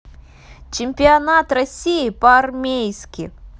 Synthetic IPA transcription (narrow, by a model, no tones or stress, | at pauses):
t͡ʃɪmʲpʲiɐnat̪rɐsʲijipɐɐrmʲejskʲi